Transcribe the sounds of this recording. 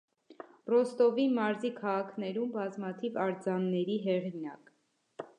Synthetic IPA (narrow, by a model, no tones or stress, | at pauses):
brɔst̪ɔvimɑɾzikʰɑʁɑkʰnɛɾumbɑzmɑt̪ʰivɑɾd͡zɑnːɛɾiɦɛʁinɑk